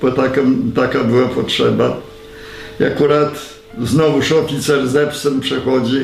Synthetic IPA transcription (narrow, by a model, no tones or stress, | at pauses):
pɔt̪akɛmt̪akabɘwapɔtʂɛba | ia̰kuɾat̪ | znɔvuʂɔkʲit̪sɛɾɛzɛpfsɛmpʂɛxɔd͡ʑi